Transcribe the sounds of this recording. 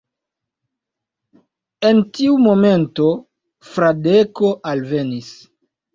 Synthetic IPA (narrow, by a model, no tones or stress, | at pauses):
entiumo̞me̞nto̞ | fɾadeko̞ʔalve̞nis